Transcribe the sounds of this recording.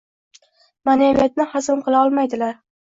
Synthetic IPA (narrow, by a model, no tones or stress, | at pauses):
manavat̪̚nɪhazɪmqʰɨlˠaɒlˠmajd̪ɪlaɾ